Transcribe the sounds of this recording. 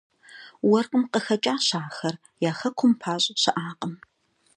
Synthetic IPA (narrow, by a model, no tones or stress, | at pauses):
wɐrqʼʊmqəxɐt͡ʃʼaːɕaːxɐr | jaːxɐkʷʰʊmpʰaːɕʼɐɕɐʔaːqʼəm